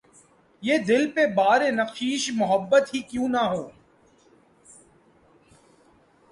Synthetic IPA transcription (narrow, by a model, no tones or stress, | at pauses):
jeːd̪ɪlpebaːɾenɐqʃiːʃmʊɦəbːət̪ɦikjũːnaɦoː